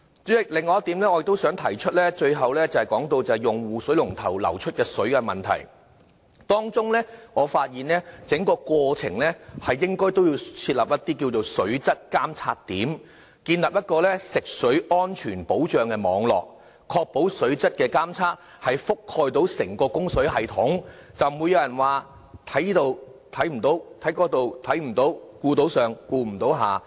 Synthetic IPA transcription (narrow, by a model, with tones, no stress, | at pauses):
ɛ˥lɪ˨ŋːɔː˧jɐ˥t̪i˨˥mlɛː˥ŋːɔ˧jkt̪wsœː˨˥ŋt̪ʰɐ˨˩jt͡ʃʰɵ˥t̚lɛː˥t͡ʃɵ˧ɥɦɐ˨wlɛː˥t͡sɐ˨˩hɛ˨jkɔː˨˥ŋt̪o˧wt͡sɐ˨˧hɛ˨jʊ˨ŋwuː˨sɵ˨˥ɥlʊ˨˩ŋt̪ʰɐ̰˨˩wlɐ̰˨˩wt͡ʃʰɵ˥t̚kɛː˧sɵ˨˥ɥkɛ˧mɐ˨nt̪ʰɐ̰˨˩j | t̪ɔː˥ŋt͡sʊ˥ŋlɛː˥ŋɔː˨˧faː˧t̚jiː˨nlɛː˥t͡sɪ˨˥ŋkɔː˧kʷɔː˧t͡sʰɪ̰˨˩ŋlɛː˥hɐ˨jːɪ˥ŋkɔː˥jt̪o˥wjiː˧wt͡sʰiː˧t̚lɐ˨p̚jɐ˥t̪ːiː˥ki˧wt͡so˨wsɵ˨˥ɥt͡sɐ˥t̚kaː˥mt͡sʰa̰ː˥t̚t̪iː˨˥m | kiː˧nlɐ˨p̚jɐ˥t̚kɔː˧lɛː˥sɪ˨k̚sɵ˨˥ɥɔː˥nt͡ʃʰyː˨˩npo˨˥wt͡ʃœː˨ŋkɛː˧mɔ̰ː˨˧ŋlɔ̰ː˨k̚ | kʰːɔː˧k̚po˨˥wsɵ˨˥ɥt͡sɐ˥t̚kɛː˧kaː˥mt͡sʰaː˥t̚ | hɐ˨jfʊ˥kʰːɔː˧jt̪o˨˥wsɪ˨˩ŋkɔː˧kʊ˥ŋsɵ˨˥ɦɐ˨jt̪ʰʊ˨˥ŋt͡sɐ˨wmu˨˧jɐ˨˧wjɐ˨˩nwaː˨ | t̪ʰɐ˨˥jiː˥t̪o˧wt̪ʰɐ˨˥jm̩˨˩t̪o˨˥wt̪ʰɐ˨˥jkɔː˧˥t̪o˨˧wt̪ʰɐ˨˥jm̩˨˩t̪o˨˥wkuː˧t̪o˨˥wsœː˨ŋkuː˧m̩˨˩t̪o˨˥wɦaː˨˩